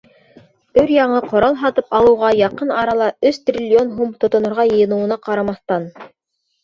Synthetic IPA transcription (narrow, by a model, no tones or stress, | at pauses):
ɵɾjɑɴɤqŏɾɑlˠɦɑt̪ɤpɑlˠɤ̆wʁɑjɑqɤnɑɾɑlˠɑɵst̪rʲilʲːionɦumt̪ŏt̪ŏnŏɾʁɑjɤ̆jɤ̆nɤ̆wɤ̆nɑqɑɾɑmɑθt̪ɑn